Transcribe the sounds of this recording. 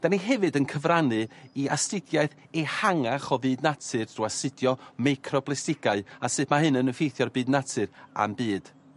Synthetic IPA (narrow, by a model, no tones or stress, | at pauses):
d̥aniɦɛvɨdənkʰəvranɨiastɪdjaɨθ | ɛhaŋaχɔvɨːdnatʰɨrdruastɨdjɔmajkʰrɔblɛstɪɡaɨasɨːθmaɦɨnənəfejθjɔrbɨːdnatʰɨɾa̰mbɨːd̥